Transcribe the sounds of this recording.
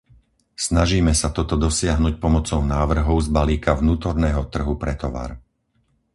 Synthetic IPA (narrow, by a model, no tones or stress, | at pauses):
snaʒiːmɛsat̪ɔt̪ɔd̪ɔsɪaɦnuc̚pɔmɔt͡sɔʊnaːʋr̩ɦɔʊzbaliːkavnuːt̪ɔɾnɛːɦɔt̪r̩ɦupɾɛt̪ɔʋa̰ɾ